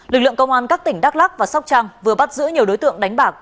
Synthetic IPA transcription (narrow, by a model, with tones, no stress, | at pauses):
lɨ˨˩k̚lɨ̰˧˨əŋkə˧wŋ͡mʔaː˧nkaː˦˥kt̪ï˧˩ŋ̟ɗaː˦˥k̚la˦˥k̚vaː˨˩sa˦˥k͡p̚t͡ɕaː˧ŋvɨ˨˩əɓa˦˥t̚zɨ̰˧˥ɲi˨˩əwɗo˨˦jt̪ɨ̰˧˨əŋɗa˨˦jŋ̟ɓaː˨˩k̚